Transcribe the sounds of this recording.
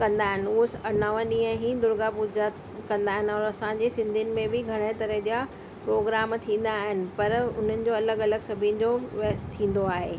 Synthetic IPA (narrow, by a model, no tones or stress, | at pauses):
kɐ̃nd̪aːɦɪnɪ̆uːsɐnaʋə̃ɗĩːə̃ɦĩd̪ʊɾɡapuːd͡ʑa | kɐ̃nd̪aːɦɪnɪ̆ɔːɾɐsãɲd͡ʑesɪ̃nd̪ʱijnɪ̆mẽbɪɡʱɐɽ̃et̪ɐɾəɦd͡ʑija | pɾoːɡɾaːmt̪ʰĩːn̆d̪aːɦɪnɪ̆pɐɾʊ̰n̤ənɪ̆d͡ʑoːɐləɡɐləɡsɐbʱiənɪ̆d͡ʑot̪ʰĩːn̆d̪oaːɦeː